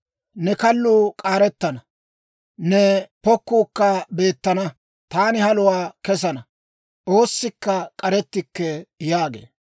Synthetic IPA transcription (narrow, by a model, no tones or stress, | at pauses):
nɛkɐlːuːkʼaːɾɛt̪ːɐnɐ | nɛpɔkːuːkːɐbe̞ːt̪ːɐnɐ | t̪aːnɪhɐlʊwaːkɛs̬ɐnɐ | ʔo̞ːsːɪkːɐkʼɐɾɛt̪ːɪkːɛjaːɡḛː